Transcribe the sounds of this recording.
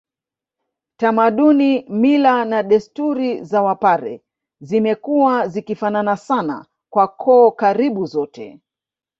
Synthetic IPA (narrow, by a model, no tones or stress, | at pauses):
tamaɗunimilanaɗɛstuɾizawapaɾɛ̰ | zimɛkuwazikifananasana̰ | kwakʰɔːkaɾiɓuzɔtɛ̰